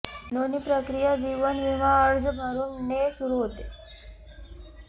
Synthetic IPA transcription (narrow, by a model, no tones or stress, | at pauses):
nonipɾəkɾijad͡ʑiʋənʋiʋaəɾd͡zəbʱaɾuːnnesuɾuɦot̪e